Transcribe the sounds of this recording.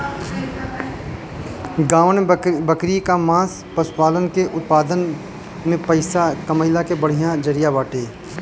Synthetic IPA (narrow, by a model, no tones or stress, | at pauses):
ɡaːʋənbəkɾikamãːs | pɐspaːlənkeʔʊt̪̚paːd̪ən | mẽpɐɪsakɐməɪlakebɐɽ̤ijãd͡ʒɐɾijabaːʈeː